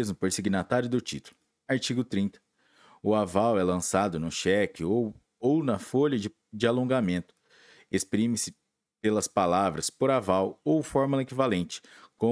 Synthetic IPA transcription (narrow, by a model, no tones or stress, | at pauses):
ezmʊpoɾsiɡinat̪aɾjʊd̪ʊt͡ʃit̪ulʊ | aɾt͡ʃiɡʊt̪ɾĩnt̪ɐ̥ | ʊavawɛlɐ̃sad̪ʊnʊʃɛkɪow | ownɐfoʎɐd͡ʒɪ | d͡ʒɪalõŋɡamẽnt̪ʊ̥ | espɾĩmɪsɪ | pelɐspalavɾɐspoɾavawowfɔɾmulɐekivalẽnt͡ʃɪ̥kõ